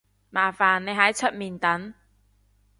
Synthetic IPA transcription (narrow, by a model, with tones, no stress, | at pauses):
maː˨˩faː˨nːe˨˧jɦɐ˨˥jt͡sʰɵ˥t̚miː˨˩nt̪ɐ˨˥n